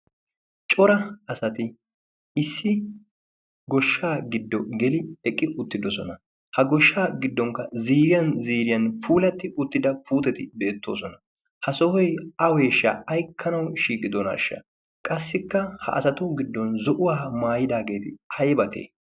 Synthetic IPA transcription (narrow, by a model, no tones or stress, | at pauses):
t͡ʃʼɔɾɐɐsɐt̪ɪ | ɪsːɪ | ɡɔʃːaːɡɪd̪ːɔɡɛlɪɛkʼːɪʔʊt̪ːɪd̪ɔsɔnɐ | hɐɡɔʃːaːɡɪd̪ːɔŋkːɐziːɾɪjɐnziːɾɪjɐnpuːlɐt̪ːɪʔʊt̪ːɪd̪ɐpuːt̪ɛt̪ɪbe̞ːt̪ːo̞̰ːsɔnɐ | hɐsɔhɔjɐwe̞ːʃːɐ̰ɐjkʰːɐnɐwʃiːkʼɪd̪ɔna̰ːʃːɐ̰ | kʼɐsːɪkːɐhɐ̰ʔɐsɐt̪ɔɡɪd̪ːɔnzɔʔʊwaːmaːjɪd̪aːɡe̞ːt̪ɪhɐjbɐt̪ʰḛː